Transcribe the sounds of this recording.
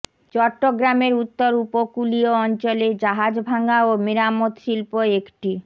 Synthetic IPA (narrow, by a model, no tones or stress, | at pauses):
t͡ɕɔʈːoɡɾameɾut̪ːoɾupokulioɔnt͡ɕoled͡ʑaɦad͡ʑbʱaŋaomiɾamot̪ʃilpoekʈi